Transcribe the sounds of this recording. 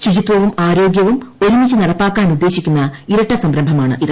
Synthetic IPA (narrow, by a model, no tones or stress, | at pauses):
ɕud͡ʑit̪ʋɐʋumaːɾo̞ːɡjɐʋumo̞ɾumit͡ɕːunɐɽɐpːaːkːaːnud̪ːe̞ːɕikʲːunːɐiɾɐʈːɐsɐmɾɐmbʱɐmaːɳɨ̰ʔið